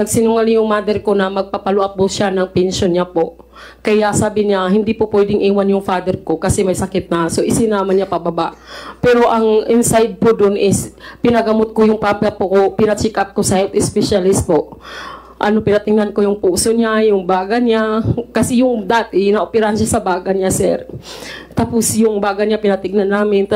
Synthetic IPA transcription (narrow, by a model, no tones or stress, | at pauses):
nɐɡsɪnʊŋalɪjʊŋmaːd̪ɛɾko̞nɐmɐɡ̚pɐpɐlʊʔap̚ːʊʃanɐŋpɛnʃonɲapo̞ʔ | kɐjasaːbɪɲahɪnd̪ipʊpwɛd̪ɪŋʔiːwanjʊŋfaːd̪ɛɾko̞kɐsɛmɐjsɐkɪt̪̚nɐso̞ʔɪsɪnaːmanɲapɐbɐbaʔpɛːɾo̞ʔɐŋʔɪnsajd̪̚pod̪onʔɪspɪnɐɡɐmot̪̚kojʊŋpapɐpokopɪnɐt͡ʃɛkap̚kosɐhɛlt̪ɪspɛʃalɪst̪poʔ | ʔɐno̞pɪnɐt̪ɪŋnankojʊŋpuːsoɲajʊŋbaːɡɐɲakɐsɛjʊŋd̪aːt̪ɪnɐʔopɛɾaanʃasɐbaːɡɐɲasɛ̰ɾt̪aːposjʊŋbaːɡɐɲapɪnɐt̪ɪɡ̚nanːaːmɪnt̪